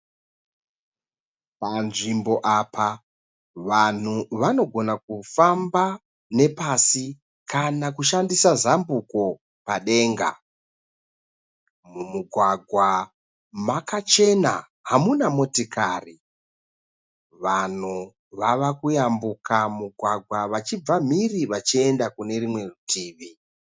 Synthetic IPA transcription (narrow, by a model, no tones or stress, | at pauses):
panʐimbo̞ʔaːpʰa | ʋan̤uʋano̞ɡʱo̞nak̚ufamba | ne̞pasi | kʰanakuʃandisazambuko̞ | paɗe̞ːŋɡa̰ | mumuɡʱwaɡʱwa | makat͡ʃe̞na̰ | ɦamunamo̞tikaːri | ʋan̤u | ʋaʋakujambukamuɡʱwaɡʱwaʋat͡ʃib͡vam̤iriʋat͡ʃie̞ndakune̞rimwe̞rutʰiːʋi